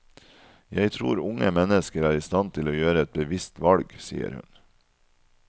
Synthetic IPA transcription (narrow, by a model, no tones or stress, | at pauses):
jæɪt̪ʰɾṵːɾʊŋəmɛnəskəɾæːɾɪst̪ɑnt̪ʰɪloːjøːɾəɛt̪̚bəʋɪst̪ʋɑlɡsḭːə̰ɾhʉ̰n